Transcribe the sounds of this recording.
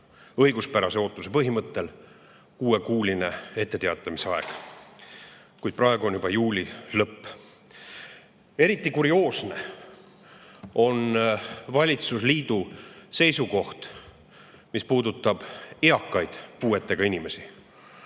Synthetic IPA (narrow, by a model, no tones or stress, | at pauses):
ɤ̞jɡuspæɾɑseo̞ːt̪ːˑuse̞pɤɦimɤt̪ːe̞l | kuːe̞kuːlʲine̞e̞t̪ˑːe̞t̪eɑt̪ːˑɑmiseɑe̞ɡ̥ | kujd̪̥̚prɑeɡuo̞njubɑjuːlʲilɤpː | e̞ɾit̪ːˑikuɾio̞ːsne̞ | o̞nvɑlʲit̪susliːd̪̥use̞jsuko̞ht̪ | mispuːd̪ut̪ˑːɑb̥eɑkːˑɑjd̪̥puːe̞t̪ːe̞ɡ̥ɑinime̞si